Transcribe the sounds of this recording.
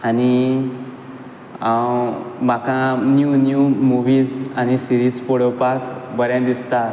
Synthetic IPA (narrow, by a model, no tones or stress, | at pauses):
ani | makãnjunjumuʋiːd͡zañisiɾid͡zpoɽəwpakbəɾjãd̪ist̪a